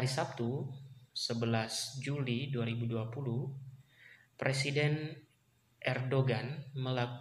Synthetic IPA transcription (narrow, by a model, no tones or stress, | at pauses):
haɾisap̚t̪usəbəlasd͡ʒuliduaɾibuduapuluh | pɾesidɛn | ʔɛrdoɡanməlak